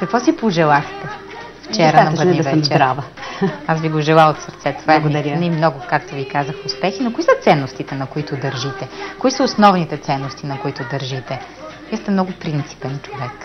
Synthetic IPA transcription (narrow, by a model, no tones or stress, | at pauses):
kɐkvɔsipoʒɛlˠaxt̪ɛ | ft͡ʃɛɾɐnɐbəɾivɛzt͡ʃɛɾavəasviɡoʒɛlˠaot̪səɾt̪sɛt̪ovaɡɾnimnɔɡʊkakt̪ovikazəxʊspɛxinokʊisət̪sɛnːost̪it̪ɛnɐkoit̪ʊd̪ɐɾʒit̪ɛkoisəʊsnɔvnit̪ɛt̪sɛnːost̪inɐkoit̪ʊd̪ɐɾʒit̪ɛ | viəst̪ɛmnɔɡʊpɾint̪si̥pɛnt͡ʃovɛk